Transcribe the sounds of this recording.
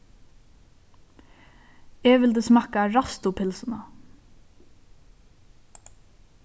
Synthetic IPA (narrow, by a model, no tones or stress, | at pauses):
ɛʋɪld̪əsmɑkaɹast̪ʊpʰɪlsəna